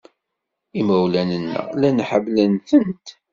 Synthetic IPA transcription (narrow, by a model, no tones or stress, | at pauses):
imæwlænənːə̰lænħəvlənθənt̪